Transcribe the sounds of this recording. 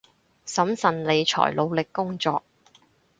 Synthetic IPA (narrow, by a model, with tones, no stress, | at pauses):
sɐ˨˥msɐ˨nle˨˧jt͡ʃʰɔ̰ː˨˩jlo˨˧wlɪ˨kːʊ˥ŋt͡sɔː˧k̚